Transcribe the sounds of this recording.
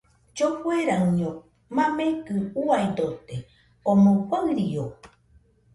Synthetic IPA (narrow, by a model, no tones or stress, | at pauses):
d͡ʒohweɾaɲõ | mãmẽkɨuajd̪ot̪e | omõkʷaɨɾio